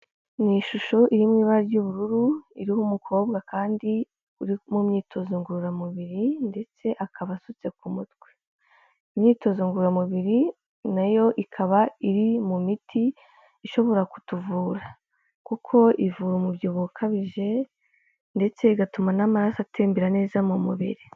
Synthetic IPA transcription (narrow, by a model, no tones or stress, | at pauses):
niʃuʃoʔiɾimwiːβaɾaɟuːβuɾuɾuiɾihumukʰo̞ːbɡakaːndi | uɾimumɲiːtʰo̞zoŋɡuɾuɾamuβiɾinde̞t͡se̞ʔakʰaβasut͡se̞kumutɡwe̥ | imɲiːto̞zoŋɡuɾuɾamuβiɾi | najo̞ʔikʰaβaiɾimumitʰiː | ʃo̞βo̞ɾaku̥tuvuːɾa | kukʰo̞ʔivuːɾomubjoβukʰaβiʒe̞ | nde̞t͡se̞iɡatumanamaɾasatʰeːmbiɾane̞ːzamumṵβḭɾi